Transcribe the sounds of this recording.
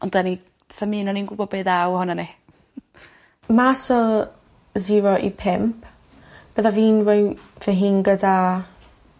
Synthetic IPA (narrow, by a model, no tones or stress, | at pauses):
ɔndani | samiːnɔninɡubɔbeðawhɔnane | masɔl | ziːɹoʔḭpʰɛmp | b̥əðaviːnvəfəɦinɡəda